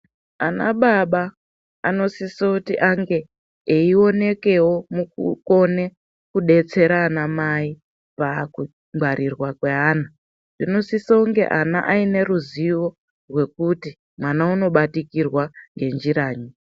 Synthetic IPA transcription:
ana̰ɓaɓaː | no̞sisoutiʔaŋɡe̞ː | io̞ne̞ke̞wo̞mukṵko̞ne̞ | kuɗe̞t͡se̞ɾanamai | paku | ŋɡʱwaɾʔirwakwe̞ɦaːna | nd̥ino̞sisauŋɡe̞̰ʔana̰ʔaine̞ɾuziʋo̞ | rwe̞kuti | mwanauno̞ɓatikirwaŋɡe̞nd͡ʒiɾaːɲi

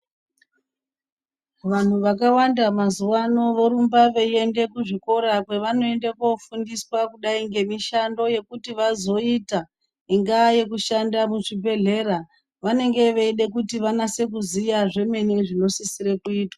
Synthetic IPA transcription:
ʋan̤uʋakawandamazuwano̞ʋoɾumbaʋeie̞nde̞kuʐiko̞ɾakwe̞ʋano̞e̞ndekofundiswakuɗaiŋɡe̞miʃando̞je̞kutiʋazo̞ita | iŋɡaje̞kuʃandamuʐibʱe̞ɮe̞ɾa | ʋane̞ŋɡe̞ʋeiɗe̞kutiʋanase̞kuzijaʐe̞me̞niʐino̞sisiɾe̞kuiːtwa

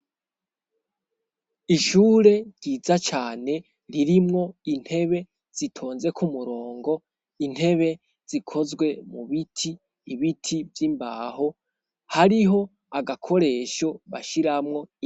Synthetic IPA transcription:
iʃuːɾe̞ɾɟiːzat͡ʃaːne̞ | ɾiɾimŋo̞in̥he̞βe̞ | z̥itʰo̞ːnze̞kʰumuɾo̞ːŋɡo̞ | in̥he̞βe̞ | z̥ikʰo̞zɡwe̞muβitʰiː | βitʰivjimba̰ːho̞ | haɾiɦo̞ | aɡakʰo̞ɾe̞ːʃo̞βaʃiɾamŋo̞

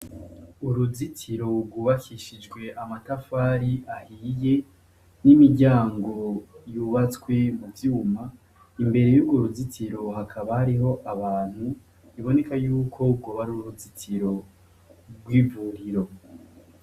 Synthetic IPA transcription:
uɾuzitʰiɾo̞ɾɡuːβakʰiʃid͡ʒɡwe̞ʔamatafaːɾiʔahije̞ | nimiɟaːŋɡo̞juβat͡skwe̞muvjuma | imbe̞ɾe̞juɡoɾuzitʰiɾo̞ɦakʰaβahaɾiɦo̞ʔaβaːn̥hu | iβo̞ne̞kajuːkʰo̞ɡoβaɾuuɾuzitʰiɾo̞ | ɡwiːvuːɾiɾo̞

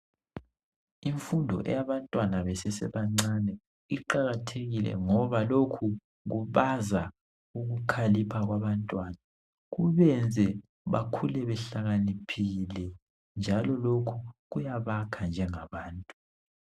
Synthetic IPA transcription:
iɱfundʱɔ̰ʔɛ̰jaβantʼwanaβɛsɛsɛ̰βaŋ͡ǀanɛ | iǃaɣatʰeɣilɛ̰ŋɔβalokʰu | ɣuβaza | uɣukʰalipʰaɣwaβantʼwana | ɣuβɛnd͡zʱɛ | βa̰kʰulɛβɛɬaɣanipʰilɛ | nd͡ʒʱalɔlokʰuɣujaβakʰand͡ʒʱɛŋaβaːntʼu

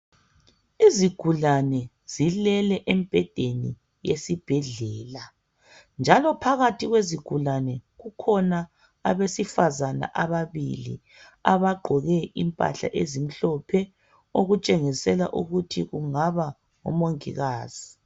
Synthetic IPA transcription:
iziɡ̥ʱulanɛ | z̥ilɛlɛʔemb̥ʱɛd̥ʱeni | jesib̥ʱɛɮɛːla | nd͡ʒʱalɔpʰaɣatʰiɣweziɡ̥ʱulanɛɣukʰɔnaː | βesifazana̰ʔaβaβḭlḭ | aβaɡ͡ǃʱɔɣɛʔimpʼa̰ɬa̰ʔezim̩ɬɔpʰɛ | oɣut͡ʃʼeŋisɛla̰ʔuɣutʰiɣuŋaβa | ŋɔ̰moŋḭɣaːz̥i

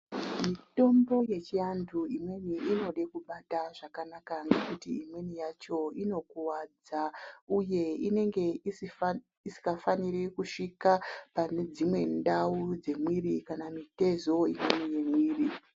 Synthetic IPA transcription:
mito̞mbo̞je̞t͡ʃianduimwe̞niino̞ɗekuɓataʐakanakaŋɡe̞kutiimwe̞nijat͡ʃo̞ino̞kuwad͡zauje̞ine̞ŋɡe̞is | isi̥kafaniɾekuʂikapane̞d͡zimwe̞ndaud͡ze̞mwiɾikanamite̞zo̞imwenije̞mwiːri

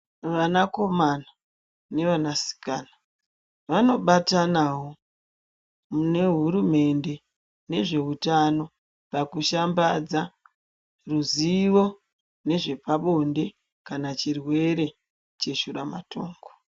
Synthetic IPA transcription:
ʋanako̞mana | ne̞ʋanasi̥kaːna | ʋano̞ɓatanaɦo̞ | mune̞ɦuɾume̞nde̞ | ne̞ʐe̞ɦutano̞ | pakuʃambad͡za | ruziʋo̞ | ne̞ʐe̞paɓo̞nde̞ | kanat͡ʃirwe̞ɾe̞ | t͡ʃe̞ʃuɾamatʰo̞̰ːŋɡo

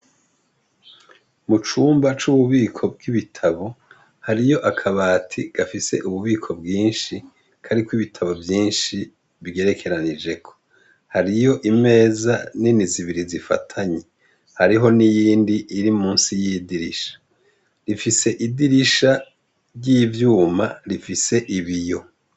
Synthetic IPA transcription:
mut͡ʃuːmbat͡ʃuβuβiːkʰo̞b̚ɡiβitʰaβo̞ | haɾijo̞ʔakʰaβaːtʰiɡ̥afise̞̰ʔuβuβiːkʰo̞bɡiːnʃi | kʰaɾikwiβitʰaβo̞vjiːnʃi | βiɡe̞ɾe̞kʰe̞ɾanid͡ʒe̞kʰo̞̥ | haɾijo̞ʔime̞ːzaniniziβiɾizifa̰tʰaɲe | haɾiɦo̞nijiːndiʔiɾimuːnsijidiɾiʃḁ | ɾifise̞ʔidiɾiʃa | ɾɟivjuːmaɾifise̞ʔiβijo̞

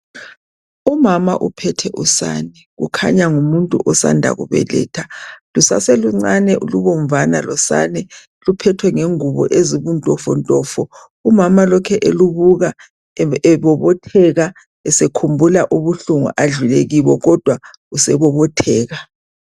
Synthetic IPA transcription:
umamaʔupʰɛtʰɛʔusa̰nɛɣṵkʰa̰ɲaŋumuntʼṵʔɔsa̰ndʱa̰ɣṵβɛ̰lɛ̰ːtʰalusa̰seluŋ͡ǀanɛʔṵluβɔɱvana̰lɔsa̰nɛ | lupʰɛtʰwɛŋeŋuβɔ̰ʔeziβuntʼɔfɔntʼɔfɔ | umamalɔkʰɛʔeluβuɣa | ɛβɔβɔtʰɛɣa | ɛsekʰumbʱulaʔuβuɬuŋṵʔaɮuleɣiβɔɣɔd̥ʱwa | usɛβɔβɔtʰɛːɣa

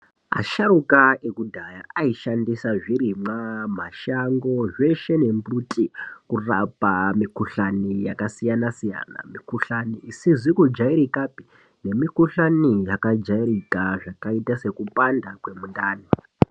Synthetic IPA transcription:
a̰ʃaɾukaekudʱajaaiʃandisaʐiɾimam̤aʃaŋɡo̞ʐe̞ʃe̞ne̞mbutʼikurapamikuɬanijakasijanasija̰na̰mikuɬaniːsizikud͡ʒaiɾikapi̥ | ne̞mikuɬanijakad͡ʒairikaʐakaitase̞kupandakwe̞mundaːni

